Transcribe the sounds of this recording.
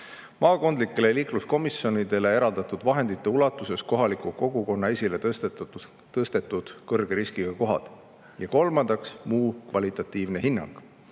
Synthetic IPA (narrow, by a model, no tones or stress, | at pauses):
mɑːko̞nd̪likːˑe̞le̞liːklusko̞misjo̞nid̪̥e̞le̞e̞ɾɑld̪̥ɑt̪ˑud̪vɑɦe̞nd̪it̪ˑːe̞ulɑt̪ːˑuse̞sko̞ɦɑlikuko̞ɡuko̞nːɑe̞sʲile | t̪ɤst̪e̞t̪ːˑud̪̥kɤrɡ̥eɾiskiɡ̥ɑko̞ɦɑ̰d̪̥ | jɑko̞lmɑnd̪̥ɑksmuːkvɑlʲit̪ˑɑt̪ːˑiːvne̞ɦinːɑ̰ŋɡ̥